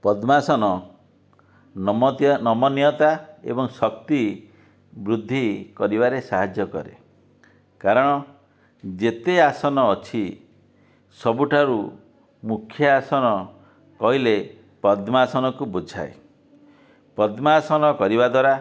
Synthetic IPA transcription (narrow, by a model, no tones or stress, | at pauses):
pɔd̪masɔnɔ | nɔmɔnijɔt̪aḛbɔŋsɔkt̪i | bɾud̪ʱːikɔɾibaɾesaɦad͡ʒjɔkɔ̰ɾḛ | kaɾɔɽ̃ɔ | d͡ʒet̪easɔnɔːt͡ʃʰi | sɔbuʈʰaɾu | mukʰjɔasɔnɔ | kɔɦile | pɔd̪masɔnɔkubud͡ʒʱa̰e | pɔd̪masɔnɔkɔɾibad̪waɾa